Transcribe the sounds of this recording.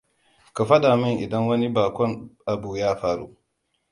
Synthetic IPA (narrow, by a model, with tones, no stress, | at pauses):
ka˨ɸa˦daː˨mɪ˦nʔɪ˨dɐ˦ŋwɐ˦ni˦baː˨kʷɔ˦nʔa˨buː˨jaː˦ɸaː˦ɾṵ˦